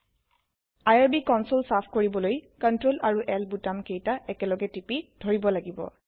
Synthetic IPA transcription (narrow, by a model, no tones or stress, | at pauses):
ajaɹbikɔnsolsapʰkoɹibɔlojkɔntɹolaɹuʔɛlbutamkejtaɛkɛlɔɡɛtipid̥ʱoɹibɔlaɡibɔ̰